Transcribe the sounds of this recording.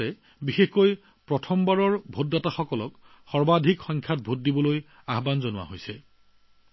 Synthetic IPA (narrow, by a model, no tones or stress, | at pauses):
ɛ | bixexkoj | pɹɔtʰɔmbaɹɔɹbʱotːataxɔkɔlɔk | xɔɹbadʱikxɔŋkʰjat̚bʱut̚dibɔloj | aɦbanzɔnʊwa̰ɦojsɛ